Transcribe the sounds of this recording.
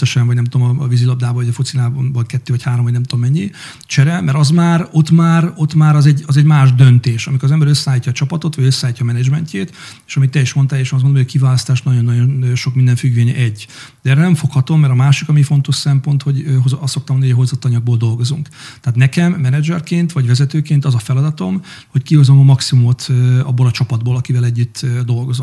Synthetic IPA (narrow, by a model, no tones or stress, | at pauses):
ɛʃɛɱvɒɟnɛmt̪oomɒvizilɒb̚d̪aːboɟɒfut̪sinaːbolkɛt̪ːøːvɒchaːɾomvɒɟnɛmt̪omːɛɲːi | t͡ʃɛɾɛmɛɾɒzmaːɾo̞t̪maːɾo̞t̪maːɾɒzɛɟɒzɛɟmaːʒd̪ønt̪eːʃɒmikoɾzɛmbɛɾøsːɛaːlicːɒːt͡ʃɒpɒt̪o̞t̪ʋɒɟøsːɛaːlicːɒːmɛnɛd͡ʒmɛɲcʰeːt̪eːʃɒmit̪ːɛiʃmo̞nt̪aːleːʃms̬ɡonomːɟkivaːlɒst̪aːʃnɒɟo̞nːɒjo̞nøʃo̞kmind̪ɛɱfyɡveːɲʔɛɟːd̪ɛɛːrɾɛnɛmɱfo̞khɒt̪o̞mːɛɾɒmaːʃikɒmifo̞nt̪o̞ʃsɛmpo̞nt̪ho̞ɟɦozɒsːo̞kt̪ɔmonjːjɦo̞zot̪ːɒɲɒɡ̚boːld̪o̞lɡo̞zuŋkt̪ɛːt̪nɛkɛmːɛnɛd͡ʒɛrkeːnt̪ʋɒɟvɛzɛt̪øːkeːnt̪ɒzɒfɛlɒd̪ɒt̪o̞m | ho̞ckiho̞zomɒmɒksimumot̪ːɒ̰bːolɒt͡ʃɒpɒd̪boːlɒkivɛlɛɟːyt̪ːd̪o̞lɡo̞zon